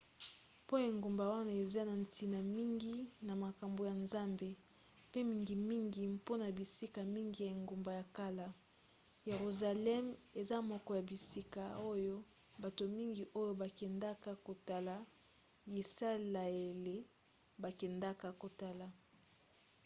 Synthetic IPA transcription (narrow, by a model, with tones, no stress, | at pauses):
po˦je˨ŋɡo˨mba˨wa˦na˦˨e˨za˦na˨ntʰi˨na˨mi˦ŋɡi˦na˨ma˨ka˨mbo˨ja˨nza˦mbe˨ | pe˦mi˨ŋɡi˨mi˦ŋɡi˨po˦na˨bi˨si˦ka˨mi˦ŋɡi˨ja˨e˨ŋɡo˨mba˨ja˨ka˦la˨ | je˨ʁu˨za˨lɛ˦me˨za˦mɔ˨kɔ˨ja˨bi˨si˦ka˨o˦jo˦ | ba˨to˨mi˦ŋɡi˨ʔo˦jo˦ba˨kɛ˨nda˦ka˨ko˨ta˨la˨ | ji˨sa˦la˨e˨le˦ | ba˨kɛ˨nda˦ka˨ko˨ta˦la˨